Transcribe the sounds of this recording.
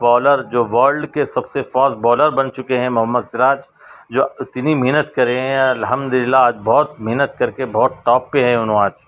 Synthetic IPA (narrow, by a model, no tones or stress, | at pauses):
bɔːləɾd͡ʒoːʋaːɾɖkesɐbsefɔːsbɔːləɾbɐnt͡ʃʊkeɦɛ̃mʊɦəmːəd̪sɪɾaːd͡ʒ | d͡ʒoːt̪nimɪɦnət̪kɐɾeɦɛ̃ɐlɦəmd̪ʊlɪlːaaːd͡ʒbɔːt̪̚mɪɦnət̪̚kɐɾkebɔːt̪ʈɔːpːeɦɛ̃ʊnɦõaːd͡ʒ